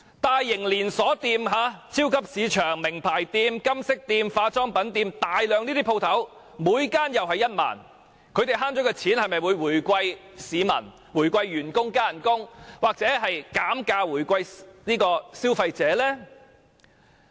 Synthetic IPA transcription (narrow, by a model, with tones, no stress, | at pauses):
t̪aː˨jːɪ˨˩ŋliː˨˩nsɔː˨˥t̪iː˧mɦaː˨˧t͡sʰiː˥wkʰɐ˥p̚siː˨˧t͡ʃʰœː˨˩ŋmɪ˨˩ŋpʰaː˨˩jt̪iː˧mkɐ˥msɪ˥k̚t̪iː˧mfaː˧t͡sɔː˥ŋpɐ˨˥nt̪iː˧mt̪aː˨jlœː˨ŋniː˥t̪i˥pʰo˧wt̪ʰɐ˨˥w | muː˨˧jkaː˥njɐ˨wɦɐ˨jːɐ˥t̚ma̰ː˨˩n | kʰɵ˨˧t̪e˨˩jɦaː˥nt͡sɔ˨˥kɛː˧t͡sʰiː˨˥nhɐ˨jmɐ˨jwuː˨˧jwuː˨˩jkʷɐ˧j | siː˨˧mɐ̰˨˩n | wuː˨˩jkʷɐ˧jːyː˨˩nkʊ˥ŋkaː˥jɐ˨˩nkʊ˥ŋwaː˨k̚t͡sɛː˨˥ɦɐ˨jkaː˨˥mkaː˧wuː˨˩jkʷɐ˧jniː˥kɔː˧siː˥wfɐ˧jt͡sɛː˨˧˥lɛː˥